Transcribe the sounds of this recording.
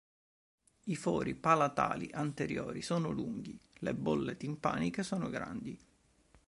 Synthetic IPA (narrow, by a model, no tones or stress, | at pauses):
ifɔːɾipalat̪a̰ːlḭʔant̪eɾjoːɾisoːnoluŋɡilebolːet̪impa̰ːnikesoːnoɡɾa̰nd̪i